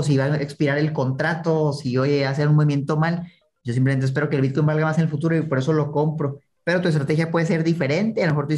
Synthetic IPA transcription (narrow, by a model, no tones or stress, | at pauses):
s̬iβaekspiɾaɾe̞lko̞nt̪ɾat̪o̞ːsiojeas̬eaunmoβimjent̪o̞mal | ɟ͡ʝosimplement̪es̬pe̞ɾo̞kelβit̪̚ko̞jmbalɣamasenelfut̪uɾo̞ipo̞ɾe̞so̞lo̞ko̞mpɾo̞ | pe̞ɾot̪uest̪ɾat̪e̞xjapweðes̬e̞ɾðife̞ɾe̞nt̪ealomext̪ui